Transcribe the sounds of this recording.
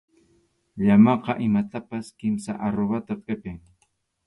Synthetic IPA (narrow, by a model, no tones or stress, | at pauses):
ʎamɑqɑʔɪmat̪apaskɪmsa̰ʔaɾoβat̪apʼepeŋ